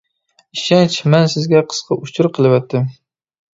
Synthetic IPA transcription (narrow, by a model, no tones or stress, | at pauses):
iʃɛnt͡ʃmɛnsɪzɡʲɛqʰə̥sqʰɑʔut͡ʃʰʊɾqʰəlˠɨwɛt̪ʰːɪm